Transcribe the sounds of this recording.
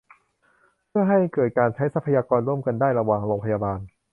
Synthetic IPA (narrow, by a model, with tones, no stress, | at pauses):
pʰɯ˥˩ɐɦa˥˩jkɤː˨˩t̪̚kaː˧nt͡ɕʰa˦˥jsa˧˦˥pʰːa˧jaː˧kɔː˧nɾu˥˩əmka˧ndaː˥˩jɾa˧waː˨˩ŋɾo˧ŋpʰa˧jaː˧baː˧n